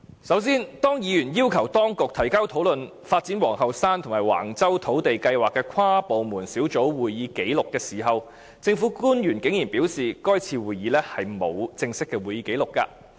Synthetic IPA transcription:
sɐ˨˥wsiː˥nt̪ɔː˥ŋjiː˨˧jyː˨˩njiː˥wkʰɐ˨˩wt̪ɔː˥ŋkʊ˨k̚t̪ʰɐ˨˩jka˥wt̪ʰo˨˥wlɵ˨n | faː˧t̚t͡siː˨˥nwɔː˨˩ŋhɐ˨wsaː˥nt̪ʰʊ˨˩ŋmaː˨˩jwa̰ː˨˩ŋt͡sɐ˥wt̪ʰo˨˥wt̪e˨jkɐ˧jwaː˨kːɛː˧kʷʰaː˥po˨wmuː˨˩nsiː˨˥wt͡so˨˥wwuː˨jjiː˨˧ke˨˥jlʊ˨kːɛː˧siː˨˩ɦɐ˨w | t͡sɪ˧ŋfuː˨˥kuː˥njyː˨˩nkɪ˨˥ŋjiː˨˩npiː˨˥wsiː˨kɔː˥jt͡sʰiː˧wuː˨jiː˨˧lɛː˥hɐ˨jmo˨˧wt͡sɪ˧ŋsɪ˥kːɛː˧wuː˨˩jiː˨˧ke˨˥jlʊ˨kːa̰ː˧

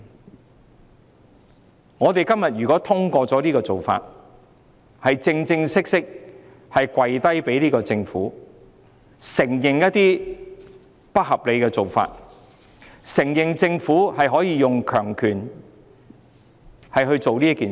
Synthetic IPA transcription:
ŋɔː˨˧t̪e˨jkɐ˥mjɐ˨t̚jyː˨˩kɔː˨˥t̪ʰʊ˥ŋkɔː˧t͡sɔː˨˥liː˥kɔː˧t͡so˨wfa̰ː˧t̚ | hɐ˨jt͡sɪ˧ŋt͡sɪ˧ŋsɪ˥k̚sɪ˥k̚ | hɐ˨jkwɐ˨˧jt̪ɐ˥jpe˨˥jliː˥kɔː˧t͡sɪ˧ŋfuː˨˥ | sɪ˨˩ŋjɪ˨ŋjɐ˥t̚t̪iː˥ | pɐ˥t̚hɐ˨p̚le˨˧kɛː˧t͡so˨wfa̰ː˧t̚ | sɪ˨˩ŋjɪ˨ŋt͡sɪ˧ŋfuː˨˥hɐ˨jɦɔː˨˥jiː˧jʊ˨ŋkʰœː˨˩ŋkʰyː˨˩n | hɐ˨jɦɵ˧ɥt͡so˨wniː˥kiː˨

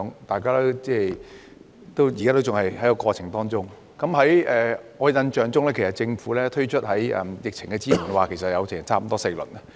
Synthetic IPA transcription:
ŋt̪aː˨jkaː˥lɛ˥t͡sɛː˥˧˩ | t̪o˥wjiː˨˩kaː˥t̪o˥t͡sʊ˨ŋhɐ˨jhɐ˨˥jɐ˨˧kɔː˧t͡ɕʰɪ˨˩ŋt̪ɔː˥ŋt͡ʃʊ˥ŋ | kɐ˨˥mɦɐ˨˥jɛ˨ʔɔː˨˧jɐ˧nt͡ʃœː˨ŋt͡sʊ˥ŋlɛː˥kʰe˨˩sɐ˨˩t̚t͡sɪ˧ŋfuː˨˥lɛː˥t̪ʰɵ˥ɥt͡ʃʰɵ˥t̚ɦɐ˨˥jɛ̰˧˩mjɪ˨k̚t͡ʃʰɪ˨˩ŋkɛ˧t͡siː˥mu˨˩nwaː˨kʰe˨˩jsɐ˨t̚jɐ˨˧wsʰɪ˨˩˨t͡sʰaː˥m˨˩t̪ɔː˥sɪ˨˧k̚lɵ̰˨˩n̚˧

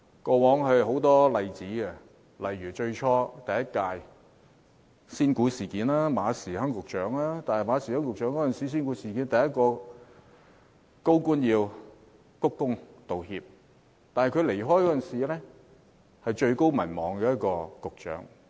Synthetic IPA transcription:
kɔː˧wɔː˨˥ŋɦɵ˧ɦo˨˥wt̪ɔː˥lɐ˨˧jt͡siː˨˥ɡɛ˧ | lɐ˨jɥyː˨˩t͡ʃɵ˧ɥt͡ʃʰɔː˧˥t̪ɐ˨jɐ˥t̚kaː˧j | siː˥nkuː˨˥siː˨˩kiː˨˥nlaː˥maː˨˧siː˨˩hɐ˥ŋkʊ˨k̚t͡ʃœː˨˥ŋlaː˥t̪aː˨nhɐ˨˩jmaː˨˧siː˨˩hɐ˥ŋkʊ˨k̚t͡ʃœː˨˥ŋkɔː˨˥ə˨nsiː˨˥s̬iː˥nkuː˨˥siː˨˩kiː˨˥nt̪ɐ˨jɐ˥t̚kɔː˧ | ko˥wkuː˥njiː˧w | kʊ˥kːʊ˥ŋt̪o˨whiː˧p̚ | t̪aː˨nhɐ˨jkʰɵ˨˧le˨˩jɦɔː˥jkɔː˥t͡sə˨nsiː˨lɛː˥ | hɐ˨jt͡ʃɵ˧ɥko˥wmɐ˨˩nmɔː˨˩ŋkɛː˧jɐ˥t̚kɔː˧kʊ˨k̚t͡ʃœ̰ː˨˥ŋ

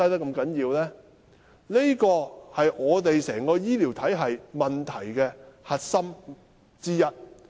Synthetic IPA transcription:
ɐ˥jt̪ɐ˥kɐ˧mkɐ˨˥njiː˧wlɛː˥ | le˥kɔː˧hɐ˨jɔː˨˧t̪e˨jsɛː˨˩ŋkɔː˧jiː˥liː˨˩wt̪ʰɐ˨˥jɦɐ˨jmɐ˨nt̪ʰɐ˨˩jkɛː˧hɐ˨t̚sɐ˥m | t͡siː˥jɐ˥t̚

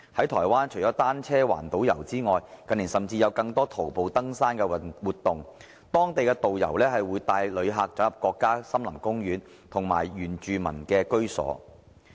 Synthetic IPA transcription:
hɐ˨˥jt̪ʰɔ̰ː˨˩jwaː˥nt͡ʃʰɵ˨˩jt͡ʃɔː˨˥t̪aː˥nt͡sʰɛː˥wa̰ː˨˩nt̪o˨˥wjɐ̰˨˩wt͡siː˥ŋɔː˨jkɐ˨nliː˨˩sɐ˨˩mt͡siː˧jɐ˨˧wkɐ˧ŋt̪ɔː˥t̪ʰo˨˩wpo˨wt̪ɐ˥ŋsaː˥nkɛ˧wuː˨t̪ːʊ˨ŋ | t̪ɔː˥ŋt̪e˨jkɛː˧t̪o˨wjɐ̰˨˩wlɛː˥ɦɐ˨jwuː˨˧jt̪aː˨˧jlɵ˨˧ɥɦaː˨k̚t͡sɐ˨˥wjɐ˨p̚kʷɔː˧kːaː˥sɐ˥mlɐ˨˩mkʊ˥ŋjyː˨˥n | t̪ʰʊ˨˩ŋma̰ː˨˩jɥyː˨˩nt͡ʃyː˨mɐ̰˨˩nkɛː˧kɵ˥ɥsɔ̰ː˨˥

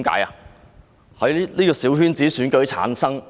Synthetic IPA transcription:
mka̰ː˨˥ja˧˨ | hɐ˨˥jliː˥kɔː˧siː˨˥wɦyː˥nt͡siː˨˥syː˨˥nkɵ˨˧ɥt͡sʰa̰ː˨˥nsɐ˥ŋ

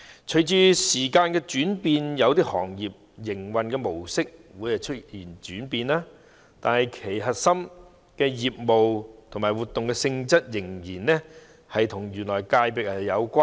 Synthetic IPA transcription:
t͡ʃʰɵ˨˩jt͡ʃyː˧siː˨˩kaː˧nkɛː˧t͡ʃyː˨˥npiː˧njɐ˨˧wt̪iː˥hɔ̰ː˨˩ŋjiː˨p̚ | jɪ˨˩ŋwɐ˨nkɛː˧mo˨˩wsɪ˥k̚wuː˨˧˥jhɐ˨jt͡ʃʰɵ˥t̚jiː˨˩nt͡ʃyː˨˥npiː˧naː˥ | t̪aː˨nhɐ˨jkʰe˨˩jɦɐ˨t̚sɐ˥m | kɛː˧jiː˨p̚mo˨wt̪ʰmaː˨˩wuː˨t̪ːʊ˨ŋkɛː˧sɪ˧ŋt͡sɐ˥t̚jɪ˨˩ŋjiː˨˩nɛ˥ | hɐ˨jt̪ʰʊ˨˩ŋjyː˨˩nlɔː˨˩jkaː˧jpɪ˨k̚hɐ˨jɐ˨˧wkʷaː˥

